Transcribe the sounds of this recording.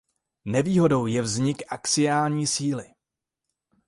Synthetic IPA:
nɛviːɦo̞do̞wjɛvzɲɪkʔakt͡sɪjaːlɲiːsiːlɪ

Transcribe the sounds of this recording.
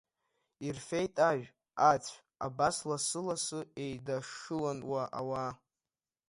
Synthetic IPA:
irfe̞jtʼaʒʷᶣ | at͡sʷʰ | abaslasɨlasɨe̞jdaʂɨlanwaʔa̰wa

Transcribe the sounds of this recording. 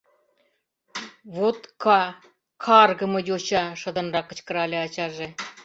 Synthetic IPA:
βot̪kɑ | kʰɑrɡɤ̆mɤ̆jʲoɕɑʂɤ̆d̪ɤ̆nrɑkːə̆t͡ɕkə̆ɾɑlʲeɑt͡ɕɑʒe

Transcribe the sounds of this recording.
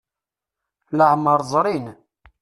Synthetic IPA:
ləʕməɾˤzˤɾˤin

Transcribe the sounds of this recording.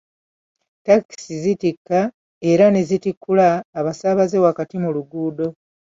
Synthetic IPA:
taki̥sizitikːa | e̞ɾane̞zitikʰːulaːβasaβaze̞wakatimuluɡuːdo̞

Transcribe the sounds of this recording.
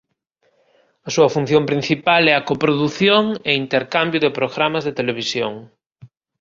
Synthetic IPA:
ɐsuɐfun̟θjõmpɾin̟θipalɛɐkopɾoðuθjoŋeint̪eɾkambjʊðepɾoɣɾamɐzðet̪eleβ̞isjoŋ

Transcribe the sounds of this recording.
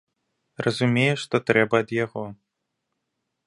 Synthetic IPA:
rʔɐzumʲejɛʂt̪ɔt̪ɾɛbɐːd̪jaɣɔ

